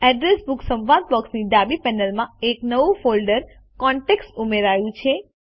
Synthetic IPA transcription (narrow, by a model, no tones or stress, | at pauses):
ɛɖɾesbuksə̃mʋad̪̚pɔksniɖabipɛnəlmãeknəʋufolɖəɾ | kɔɳʈeksʈumeɾajũt͡ʃʰe